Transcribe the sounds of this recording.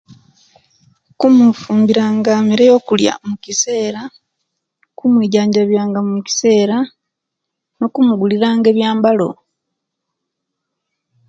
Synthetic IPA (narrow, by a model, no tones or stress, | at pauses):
kumufuːmbiɾaːŋɡamiɾejo̞ːkulja̰mucise̞ːɾa | kumwiːɟaːɲɟaβjaːŋɡamumuci̥se̞ːɾa | no̞kumuɡuliɾaːŋɡe̞ːβjaːmbalo̞̰